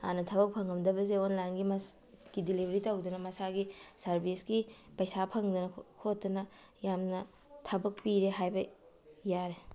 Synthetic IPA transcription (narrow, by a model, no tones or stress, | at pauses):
a̰nɐtʰɐbɐk̚pʰɐŋɡɐmdɐbɐzeonlaŋɡimɐ | ɡ̥idilibʱɾitɐwdunɐmɐsaɡisɐɾbʱisɡipɐjsapʰɐŋdunɐkʰotːɐnɐ | jamnɐ | tʰɐbɐk̚piɾeɦajbɐ | jaɾe